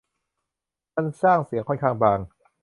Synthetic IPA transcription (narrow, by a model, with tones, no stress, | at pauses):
ma˥˨nsaː˥˩ŋsi˨˩˦kʰɔ˥˩nkʰaː˥˩ŋbaː˧˩ŋ